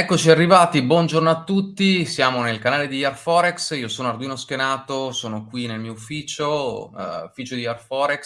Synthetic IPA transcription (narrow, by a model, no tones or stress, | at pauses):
ɛkːot͡ʃiarːivaːt̪ibwɔnd͡ʒornoat̪ːut̪ːisjaːmonelkanaːled̪ijarfɔɾeksiːosoːnoard̪uiːnosk̟enaːt̪osoːnokwinelmiːoufiːt͡ʃo | ufiːt͡ʃod̪iarfɔːɾeks